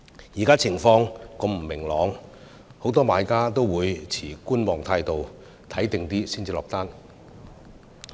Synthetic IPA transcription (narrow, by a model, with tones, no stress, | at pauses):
jiː˨˩kaː˥t͡sʰɪ˨˩ŋfɔː˧ŋkɔ˧mm̩˨˩mɪ˨˩ŋlɔː˨˧˥ŋ | ho˨˧˥wt̪ɔː˥maː˨˧jkaː˥t̪o˥wwuː˨˧jt͡sʰiː˨˩kuː˥nmɔː˨ŋt̪ʰaː˧jt̪o˨w | t̪ʰɐ˨˥jt̪ɪ˨ŋt̪iː˥siː˥nt͡siː˨lɔː˨k̚t̪aː˥n